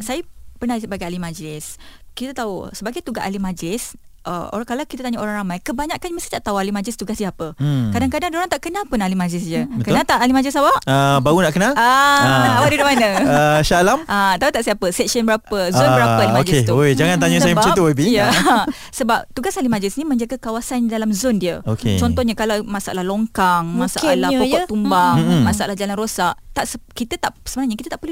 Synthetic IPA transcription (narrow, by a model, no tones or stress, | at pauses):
sajəpərnalisəbaɡajalimãd͡ʒəlɪskit̪at̪ausəbaɡajt̪uɡaʔalimãd͡ʒəlɪs | ʔə̰o̰kalawkit̪at̪aɲaoɾaŋɾamajkəbaɲaʔkanməst̪it̪aʔt̪aualimad͡ʒəlɪst̪uɡassiapəkadaŋkadaŋdoɾaŋt̪aʔkənalpʊnalimãd͡ʒəlɪs̬d͡ʒəbətkənalt̪aʔalimad͡ʒlɪs̬awaʔəbaunaʔkənalaaawadudumanaəʃalammʔat̪apit̪aʔsiapəsɛk̚sənbəɾapəzonbəɾapəaimod͡ʒiest̪uod͡ʒaŋãnt̪aɲəs̬ajəmt͡ʃut̪uwəbijə | səbap̚t̪uɡasalimãd͡ʒɪsnimə̃ɲd͡ʒaɡakawasandalamzondiəokḛt͡ʃɔnt̪ɔhɲakalamasaʔa̰lahlɔŋkaŋmãsaalahpɔkɔʔt̪umbaŋ̩mãsaʔalahd͡ʒalanrosaʔt̪aʔsəkit̪ət̪aʔsəbənaɲakit̪at̪aʔpəlu